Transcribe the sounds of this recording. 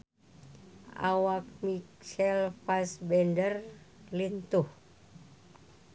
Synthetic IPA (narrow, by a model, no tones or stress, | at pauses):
ʔa̰wak̚miksɛlfasbɛndərlint̪uh